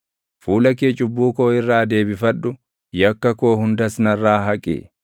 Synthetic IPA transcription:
fuːlɐk̬eːt͡ʃʼʊbːuːko̞ːɪrːaːd̪e̞ːbɪfɐᶑʊ | jɐkːɐko̞ːhʊnd̪ɐsnɐrːaːɦɐkʼḭː

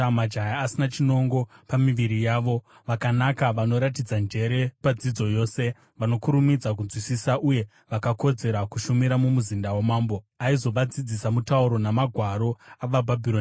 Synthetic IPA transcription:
amad͡ʒʱajaːsinat͡ʃino̞ŋɡo̞pamiʋiɾijaːʋo̞ | ʋakanakaʋano̞ɾat̬id͡zand͡ʒe̞ɾe̞pad͡zid͡zo̞jo̞ːse̞ | ʋano̞kuɾumid͡zakund͡zwisisaʔuje̞ | ʋakako̞d͡ze̞ɾakuʃumiɾamumuzindawamaːmbo̞ | aizo̞ʋad͡zid͡zisamutauɾo̞namaɡʱwaɾo̞aʋabʱabʱilon

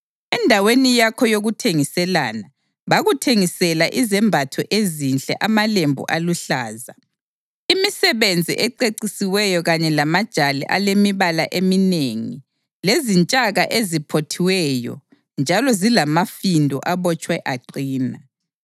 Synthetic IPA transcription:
ɛndʱawenijakʰɔjoɣutʰeŋisɛla̰na | βaɣutʰeŋisɛlaʔizɛmbʱatʰɔʔezinɬʼɛ̰ʔamalembʱṵʔaluɬaːza | imisɛβend͡zʱḭʔɛǃeǀisiwɛjɔɣaɲɛlamad̥ʒ̥ʱalɛ̰ʔa̰lemiβalaʔemineŋi | lezint͡ʃʼaɣaʔezipʰotʰiwɛjɔ̰ | nd͡ʒʱalɔzilamafindʱɔ̰ʔaβɔt͡ʃʼwaɛʔaǃiːna

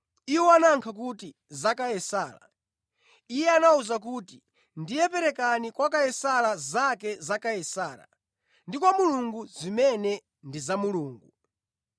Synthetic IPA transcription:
iwɔanaŋkʰak̬uti | zakajɛsaːla̰ | ijɛanauzak̬uːti | ndijɛpɛɾɛkanikwakajɛsalazakɛzakajɛsaːla̰ | ndik̬wamuluŋɡuzimɛnɛ | ndizamuluːŋɡu

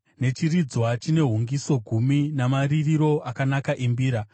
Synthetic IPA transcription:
ne̞t͡ʃirid͡zwat͡ʃine̞ɦuŋɡiso̞ɡʱuminamaririɾo̞ʔakanakaʔembiːɾa

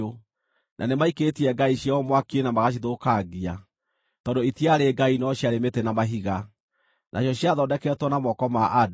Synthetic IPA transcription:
o | nʔa̰nemaiketiɛɡaiɕjaɔmwakienamaɣaʃ̬iðokaɡia | tɔːndoitiaɾeɡainɔɕjaɾemetenamaɦiɣa | nʔa̰ɕjɔɕjaðɔdɛkɛtwɔnamɔkɔmaʔad

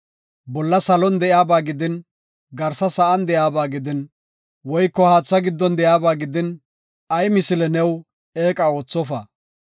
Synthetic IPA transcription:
bɔlːɐsɐlɔnd̪ɛʔjaːbaːɡɪd̪ɪn | ɡɐɾsɐsɐʔɐnd̪ɛjaːbaːɡɪd̪ɪn | wɔjkːɔhaːt͡sːɐɡɪd̪ːɔnd̪ɛjaːbaːɡɪd̪ɪn | ɐjmɪsɪlɛnɛw | eːkʼɐoːt͡sːɔfɐ̰

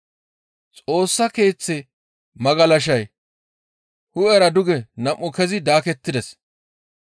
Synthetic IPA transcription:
t͡sʼo̞ːsːɐke̞ːt͡sːɛ | mɐɡɐlɐʃ̬ɐj | hʊɛɾɐd̪ʊɡɛnɐmːʊkɛzɪd̪aːkɛt̪ːɪd̪ɛs

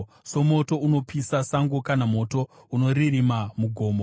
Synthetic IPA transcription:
so̞mo̞to̞uno̞pisasaŋɡokanamo̞to̞ | uno̞riɾimamuɡʱo̞ːmo

